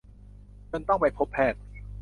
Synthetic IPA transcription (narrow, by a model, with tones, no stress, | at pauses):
kɤ˧nt̪ɔ˥˩ŋpa˧jpʰo˦˥pʰːɛː˥˩t̪̚